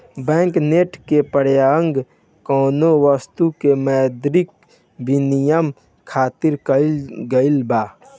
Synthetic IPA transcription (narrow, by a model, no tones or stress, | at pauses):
bɛ̃ːŋkneːʈkepəɽjaəŋɡ | kɔːnowəst̪ukemɛːd̪ɾɪk̚ | bɪnijəm | kʰaːt̪ɪɾkɡəɪlbaː